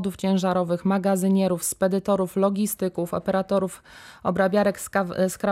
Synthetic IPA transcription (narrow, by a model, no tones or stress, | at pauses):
d̪uft͡ɕɛ̃w̃ʐaɾɔvɘxmaɡazɘɲɛɾufspɛd̪ɘt̪ɔɾuflɔɡʲist̪ɘkufɔ̰pɛɾat̪ɔɾuf | ɔ̰bɾabʲjaɾɛksskɾa